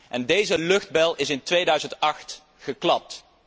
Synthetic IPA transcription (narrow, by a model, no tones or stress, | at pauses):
ʔɛndejzəlɵχd̚bɛlˠɪsɪntʋejdœɥzəntɑχt | χəklɑp̚t